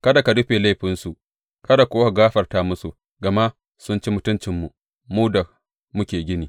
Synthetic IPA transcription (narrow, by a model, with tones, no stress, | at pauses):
kɐ˦da˨ka˨dʊ˦ɸeː˨la˦jɸɪ˦nsu˨ʔ | kɐ˦da˨koː˦ha˨ɡaː˦ɸɐ˨rta˦mʊ˦su˨ | ɡɐ˨ma˦ | sʊ˦nt͡ʃi˦mʊ˦tʊ˦nt͡ʃɪ˨mːu˨ | muː˦da˨ | mʊ˦kʲeː˨ɡʲɪ˦niː˨